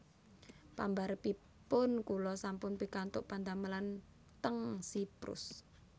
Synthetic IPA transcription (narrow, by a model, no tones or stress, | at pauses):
pa̰mbaɾəpi | pʊnkulɔsampʊnpikant̪ʊʔpand̪aməlan | t̪əŋsipɾʊ̰s